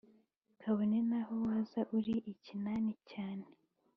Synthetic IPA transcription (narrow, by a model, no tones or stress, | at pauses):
kʰaβonenahowazaʔuɾiʔicinaːnicaːne